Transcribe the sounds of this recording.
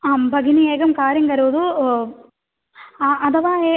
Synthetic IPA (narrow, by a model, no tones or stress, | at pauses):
aːmbʱɐɡinieːɡɐmkaːɾjɐŋɡɐɾuʋd̪u | aʔɐd̪ɐʋaːeː